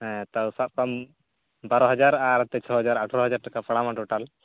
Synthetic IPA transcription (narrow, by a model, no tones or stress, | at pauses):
ɦɛ̃t̪awsap̚kɔm | baɾɔɦɔd͡ʒaɾaɾt̪ɛt͡ʃʰɔɦɔd͡ʒaɾaʈʰɔɾɔɦɔd͡ʒaɾʈakapaɽamãʈɔʈal